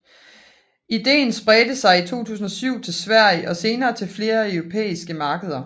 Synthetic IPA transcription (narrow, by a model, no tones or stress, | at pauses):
id̥e̝̰ːnsb̥ʁɛːd̥əsɑ̈ɪit͡sʰo̝̰ːt͡sʰṵːsn̩ɒ̽syʊ̰t͡sʰe̝lsʋæɐ̰jəʔɒ̽se̝ːnɐːt͡sʰe̝lfle̝ːɐæœʊʁo̝pʰḛːisɡ̥əmɑ̈ːɡ̥əð̞ˠɐ